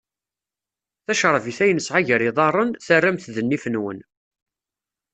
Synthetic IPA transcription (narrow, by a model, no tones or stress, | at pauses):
θæʃɾˤəviθæjənəsʕaʝəɾiðˤɑrˤənθərːæmθðənːifənwə̰n